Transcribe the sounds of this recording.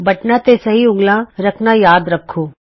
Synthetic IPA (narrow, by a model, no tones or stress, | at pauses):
bɐʈnat̪esɐɦiʊ̃ŋɡlãɾɐkʰnajaːd̪ɾɐkʰːoː